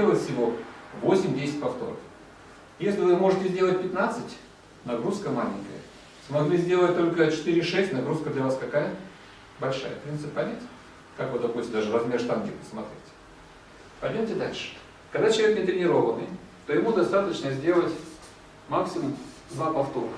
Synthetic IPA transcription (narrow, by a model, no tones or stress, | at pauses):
elˠətʲfʲsʲɪvo̞vo̞sʲɪmʲdʲesʲɪt̚ʲpɐft̪o̞̰ɾə̰f | jesʲlʲɪvɨmo̞ʐɨtʲɪzʲdʲelˠətʲpʲɪt̪nat̪sɨtʲ | nɐɡɾuskəmalʲɪ̰ŋʲkə̰jə̰ | smɐɡlʲizʲdʲelˠət̚ʲt̪o̞lʲkət͡ɕɪ̥t̪iɾʲɪʂɛsʲtʲnɐɡɾuskəd̪lʲɐvaskɐkajə | bɐlʲʂa̰jə̰pɾʲint̪sɨpʲpɐlʲætʲ | kakvɨd̪ɐpusʲt̪ʲɪmd̪aʐɨrɐzmʲeʂt̪amɡʲɪ̰pə̥smɐt̪ɾʲetʲɪ̥ | pɐjʲdʲmʲomʲtʲɪd̪a̰lʲʂɨ̥ | kɐɡd̪at͡ɕɪlˠɐvʲeknʲɪt̪ɾʲɪnʲɪɾo̞vənɨ̰j | t̪ojɪmud̪ɐst̪at̪ət͡ɕnəzʲdʲe̞lˠətʲ | maksʲɪmʊm | d̪vapɐft̪o̞ɾəx